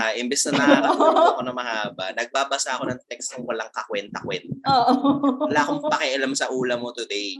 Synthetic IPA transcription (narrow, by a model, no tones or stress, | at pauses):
haʔɪmbɛsnɐnɐhɾɐakonɐmɐhaːbɐnɐɡ̚baːbɐsaʔɐko̞nɐŋt̪ɛkskʊŋwɐlaŋkɐkwɛnt̪ɐkwɛnt̪ɐ | wɐlaːkoŋpɐkɛʔɐlamsɐʔuːlɐmot̪ʊd̪ɛj